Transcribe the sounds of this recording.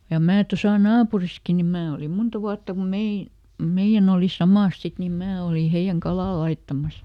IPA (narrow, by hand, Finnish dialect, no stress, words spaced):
jɑ mæː tosɑ nɑːpuriski ni mæː olim muntɑ ʋuɑtːɑ kum mein̞ meij̆æn oˑli sɑmɑˑs sit nim mæː oliˑ heij̆æŋ kɑlɑˑ lɑitːɑmɑs